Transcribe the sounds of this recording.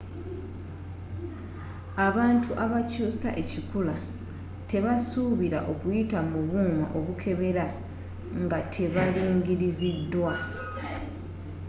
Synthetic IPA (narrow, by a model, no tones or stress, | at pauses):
aβaːntuʔaβacuːsa̰ʔecikula | te̞βasuβiɾa̰ʔo̞kwitamuβuːma̰ʔo̞βukʰe̞βe̞ɾa | ŋɡatʰe̞βaliːŋɡiɾizidːwa